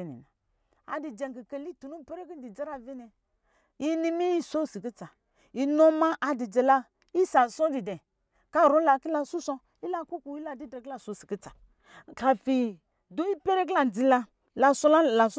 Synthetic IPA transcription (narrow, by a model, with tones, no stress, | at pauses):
nḭ˨na˨ | a̰˨di˨d͡ʒɛ˨ŋ˨ki˨ke˨li˦tu˨nu˦˨pe˦ɾe˦ki˦di˨d͡za˦ɾa˦vi˦nɛ˨ | ji˦ni˦mi˦ji˦so˦˨si˨ki˦t͡sa˨ | i˨nɔ˦ma˦ʔa˨di˨d͡ʒɛ˨la˧ | i˦sa˨sɔ˦di˨dɛ˨ | ka˦˨ɾo˨˦la˧ki˦la˧su˦sɔ˧ | i˦la˦ku˦ku˨i˦la˦˨di˦dɾɛ˨kla˨so˨˦˨si̥˨ki˦t͡sa˨ | ka˨fi˨ | do˦i˦pe˦ɾe˦k̬la˨d͡zi˨˦la˧ | la˧sɔ˦la˦la˨s